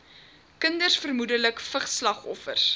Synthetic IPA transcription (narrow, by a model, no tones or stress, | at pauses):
kəndərsfərmudələkfəχslɐχɔfə̰rs